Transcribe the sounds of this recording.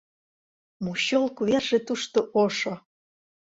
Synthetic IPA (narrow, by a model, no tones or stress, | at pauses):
muɕolˠkuβerʒĕt̪uʃt̪oʔoʃŏ